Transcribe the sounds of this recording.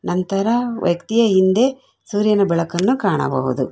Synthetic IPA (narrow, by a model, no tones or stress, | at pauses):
nɐnt̪ɐɾɐʋjɐ̰kt̪ijɐɦind̪e̞ | suːɾjɐnɐbɛɭɐkɐnːukaːɳɐ̰bɐ̰ɦṵd̪ṵ